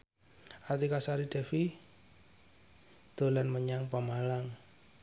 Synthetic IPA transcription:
art̪ikasaɾid̥ɛ̤fi | d̪̥o̤lanməɲaŋpamalaŋ

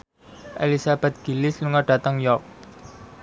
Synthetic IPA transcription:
ʔḛlisab̥ɛ̤t̪̚ɡ̥i̤lɪsluŋaɖ̥ä̤t̪əŋjɔk̚

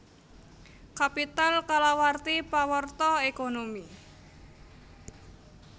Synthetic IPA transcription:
kapit̪alkalawart̪ipawərt̪ɔekonomi

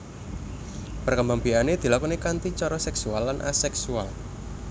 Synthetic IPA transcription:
pərkəmbaŋbianed̪̥i̤lakɔnekant̪it͡ʃɔɾɔsɛksualːanʔa̰sɛksual

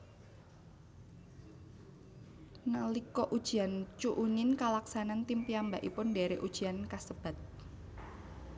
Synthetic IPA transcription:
nalikɔʔud̥ʒ̥i̤ant͡ʃuʔunɪnkalaksanant̪impiambaʔipʊndeɾeʔud̥ʒ̥i̤ankasəb̥a̤t̪̚

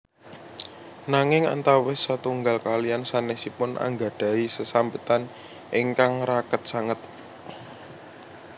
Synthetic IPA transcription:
naŋɪŋa̰nt̪awɪsat̪uŋɡalkalijansanɛsipʊnʔa̰ŋɡa̤ɖ̥a̤isəsambət̪an | ʔɪŋkaŋɾakət̪̚saŋət̪̚

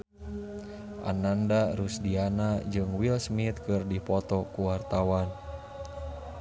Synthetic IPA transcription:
ʔa̰nandaɾusdianad͡ʒɨŋwilsmit̪kɨrdipɔt̪ɔkuwart̪awan

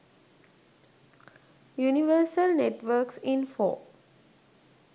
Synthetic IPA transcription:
juniʋəːsəlneʈʋəːksĩnfo̰ː

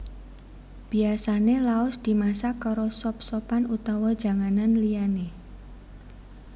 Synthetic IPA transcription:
b̥i̤asanelaɔsd̪̥i̤masakaɾɔsɔp̚sɔpanut̪awḁd͡ʒa̤ŋananliane

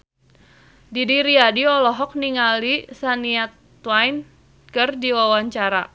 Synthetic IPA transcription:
didiɾiadiɔlɔɦɔk̚niŋalisaniat̪ | wajn | kərdiwawaɲt͡ʃaɾa

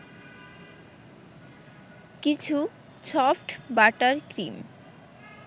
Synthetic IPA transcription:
kit͡ɕʰu | t͡ɕɔfʈbaʈaɾkɾim

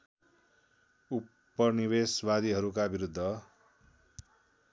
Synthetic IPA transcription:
u | pːʌnibesbad̪ʱiɦʌɾukabiɾud̪ʱːʌ

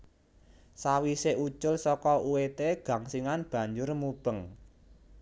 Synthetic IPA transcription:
sawiseʔut͡ʃʊlsɔkɔuwet̪eɡ̥ä̤ŋsiŋanb̥ä̤ɲd͡ʒʊrmub̥əŋ

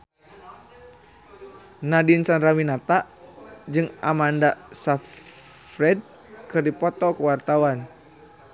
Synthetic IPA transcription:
nadinsanɾaminat̪aʔd͡ʒɨŋamandasa | fɾɛd̚ | kɨrdipɔt̪ɔkəwart̪awan

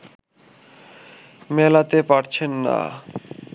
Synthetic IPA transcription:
mɛlat̪epaɾt͡ɕʰenːa̰

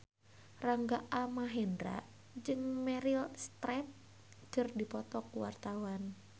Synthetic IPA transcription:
raŋɡaʔamaɦɛndɾa̰ʔ | d͡ʒɨŋmɛɾilst̪ɾɛp̚ | kɨrdipɔt̪ɔkuwa̰rt̪awan

